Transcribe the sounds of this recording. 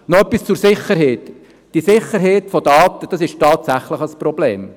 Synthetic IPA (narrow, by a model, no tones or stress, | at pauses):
nɔœpːist͡sʊɾsɪχːəɾɦɛːt | d̥isɪχəɾɦɛːtfɔdɑːt̪əd̥ɑsɪʃtɑːt̪sæχləχəspɾɔblḛːm